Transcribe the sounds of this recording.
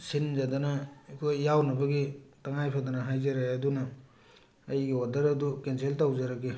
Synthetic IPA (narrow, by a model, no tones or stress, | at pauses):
sinzadanakʰojːawnɐbɐɡitaŋajpʰadanɐɦajzaɾaɐdunɐː | jɡiodɐɾɐdukenseltawzaɾaɡi